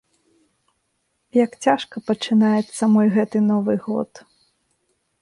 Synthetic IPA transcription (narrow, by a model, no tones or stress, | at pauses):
jɐkt͡sʲaʂkɐpɐt͡ʂɨnajɛt̪sːɐmɔjɣɛt̪ɨnɔvɨɣɔ̰t̪